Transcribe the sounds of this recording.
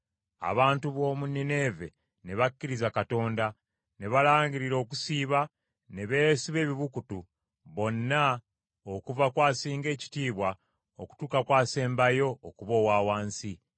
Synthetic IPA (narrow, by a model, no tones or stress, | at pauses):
a̰βaːntuβo̞ːmunːene̞ve̞̰ | ne̞βakːiɾizakato̞ːnda | ne̞βalaːɲɟiɾiɾo̞ːku̥siːβa | ne̞βe̞ːsiβe̞ːβiβukutu | βo̞nːa | okuvakwaːsiːŋɡe̞ːci̥tiːβwa | oku̥tuːkakwaːse̞ːmbajo̞ːkuβo̞ːwaːwaːnsi